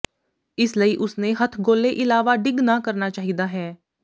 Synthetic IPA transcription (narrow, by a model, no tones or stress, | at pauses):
ɪsləiːʔʊsnẽːɦət̪ʰɡoːlːeːʔɪlaːʋaːɖɪɡnaːkəɾnaːt͡ʃaːɦid̪aːɦɛː